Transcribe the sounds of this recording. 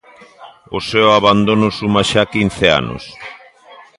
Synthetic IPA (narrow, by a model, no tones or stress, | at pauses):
oseoaβand̪onosumaʃakin̟θea̰no̰s